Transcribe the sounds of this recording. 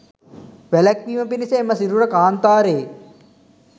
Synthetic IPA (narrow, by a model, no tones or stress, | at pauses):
ʋelɐkʋiːmɐpiniseːmɐsiɾuɾɐkaːnt̪aːɾeː